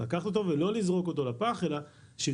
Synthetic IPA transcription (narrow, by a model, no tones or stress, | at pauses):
lakaχt̪ot̪o̞velo̞lizʁo̞ko̞t̪o̞lapaχe̞laʃe